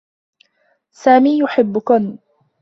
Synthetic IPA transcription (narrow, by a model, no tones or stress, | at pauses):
saːmiːjʊħɪbːʊkʊn